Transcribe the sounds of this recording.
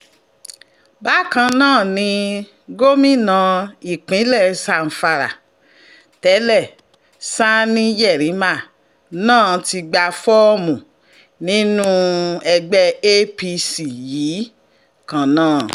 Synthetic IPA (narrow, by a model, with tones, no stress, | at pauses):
ba˦kã˧nãː˦˨nĩ˧ | ɡo˦mĩ˦˨nã˨˧i˨k͡pĩ˨˦lɛ˦˨sa˧˨n̩˨fa˧ɾa̰˨ | tɛ˨˦lɛ˦˨ | sa˦nĩ˦jɛ˦˨ɾĩ˨˦ma˦˨ | nãː˦˨ti˧ɡ͡ba˧fɔ˦mũ˨ | nĩ˦nũ˦ɛ˧ɡ͡bɛ˦e˦pi˧si˨jiː˨˦ | kã˨nãː˦˨